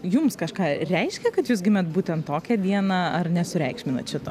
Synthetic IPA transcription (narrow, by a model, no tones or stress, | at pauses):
jʊmskɐʃkɑːɾʲɛɪʃʲkʲɛkɐt̪juːs̬ɡʲɪmʲɛt̪̚buːt̪ʲɛnt̪toːkʲɛd̪ʲiɛnɑɐrnʲɛsʊɾʲɛɪkʃʲmʲɪnɐ̰t̪ʃʲɪt̪o̰ː